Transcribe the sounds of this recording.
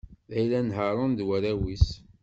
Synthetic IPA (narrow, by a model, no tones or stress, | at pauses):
æjlænɦəɾˤənd̪wæɾæwis